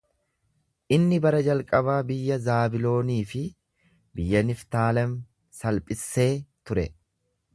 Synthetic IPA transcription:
ʔɪnːɪbɐɾɐd͡ʒɐlkʼɐβaːbɪjːɐzaːbɪlo̞ːniːfɪ | bɪjːɐnɪft̪aːlɐm | sɐlpʼɪsːe̞ːt̪ʊɾɛ

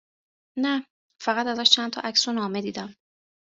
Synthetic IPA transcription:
næ | fæɣæt̪æzæʃt͡ʃʰænt̪ʰɒ̰ːʔæksunɒːme̞d̪iːd̪æm

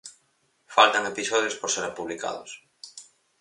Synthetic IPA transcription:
falt̪aŋepisɔðjospoɾseɾapuβlika̰ðo̰s

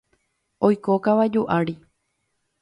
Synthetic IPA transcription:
ojkokaʋad͡ʒuʔaɾi

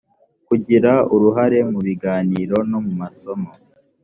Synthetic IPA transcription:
kuɟiɾauɾuɦaɾe̞muβiɡaːniːɾo̞no̞mumasomo

